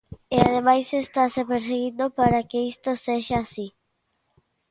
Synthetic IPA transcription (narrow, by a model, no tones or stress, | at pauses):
eað̞emajsest̪asepeɾs̬eɣind̪opaɾakeist̪oseʃaːsi